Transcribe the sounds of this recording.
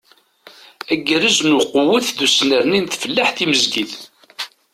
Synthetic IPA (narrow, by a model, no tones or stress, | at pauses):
æɡɾəznuqʊwəθðusnəɾnint̪fəlːaħθiməzɡiθ